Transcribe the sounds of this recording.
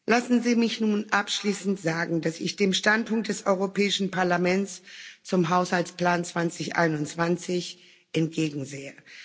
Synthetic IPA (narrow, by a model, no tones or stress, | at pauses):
lasn̩ziːmɪçnuːnʔapʃliːsn̩tz̥aːɡŋ̩dasɪ̰çd̥eːmʃtantpʊŋk̚t̚d̥ɛsʔɔʏʁ̞opʰɛːɪʃn̩pʰaɐlamɛnt͡st͡sʊmɦaʊshaltspl̥aːnt͡sv̥ant͡sɪçʔa̰ɪnʊnt͡sv̥ant͡sɪç | ʔɛntɡ̥eːɡŋ̩zeːə